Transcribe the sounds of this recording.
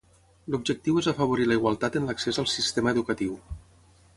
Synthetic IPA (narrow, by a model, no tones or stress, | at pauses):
lubʒək̚t̪iwezəfəβ̞uɾiləiɣwalˠt̪at̪ənləksezəlˠsist̪eməəðukət̪iw